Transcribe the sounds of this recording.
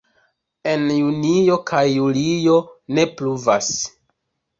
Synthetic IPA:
e̞njunijo̞kʰajːulijo̞ne̞pluvas

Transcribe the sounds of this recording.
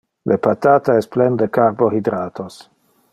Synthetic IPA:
lʔepat̪aːt̪aesplend̪ekarbohidɾaːt̪ʰos

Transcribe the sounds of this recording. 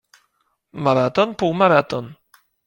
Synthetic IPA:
maɾat̪ɔnpuwmaɾat̪on

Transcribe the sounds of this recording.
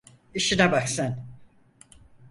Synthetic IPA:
iʃinɛbaksan

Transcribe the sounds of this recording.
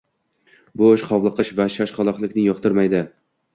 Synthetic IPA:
bʊːʃqʰɒwlˠɨqɨʃvaʃaʃχɒlˠɒχlˠɪkʲnɪjɒqt̪ʰɪɾmajd̪ɪ

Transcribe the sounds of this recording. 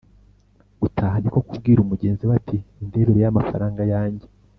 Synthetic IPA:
ɡ̥utʰaːhaniko̞kub̚ɡiːɾumuɟe̞ːnziβatʰiːnde̞ɾeɾejamafaɾaːŋɡajaːɲɟe̞

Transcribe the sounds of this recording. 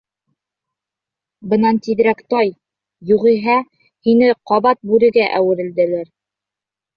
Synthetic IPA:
bɤ̆nɑnt̪iðɾækt̪ɒj | juʁiɦɑ | hinɘqɒβɑt̪̚bʉɾɘ̆ɡæʔæwɘ̆ɾɘ̆ld̪ɘ̆læɾ

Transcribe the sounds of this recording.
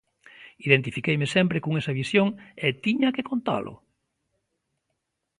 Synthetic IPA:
iðent̪ifikejmɪsɛmpɾekoŋesɐβisjoŋet̪iɲɐkekont̪a̰lʔʊ̰

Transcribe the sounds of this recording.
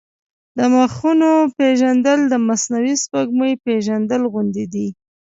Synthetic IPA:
d̪̥əmaxunopeʒand̪əld̪əmasnawispaɡməjpeʒand̪əlɣʊnd̪id̪i

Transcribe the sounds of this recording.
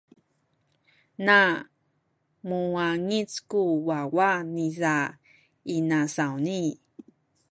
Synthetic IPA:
na | muaŋit͡skuwawaniza | inasawni

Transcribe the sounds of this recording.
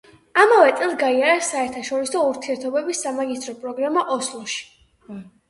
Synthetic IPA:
amavɛt̪sʼɛlˠɡaiaɾasaɛɾt̪ʰaʃɔɾisɔuɾt̪ʰiɛɾt̪ʰɔbɛbisːamaɡist̪ʰʼɾɔpʼɾɔɡɾamaʔɔslˠɔʃi̥

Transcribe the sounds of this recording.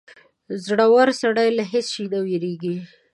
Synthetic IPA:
zɽawaɾsaɽajlaɦɪsʃid̪aweɾeɡi

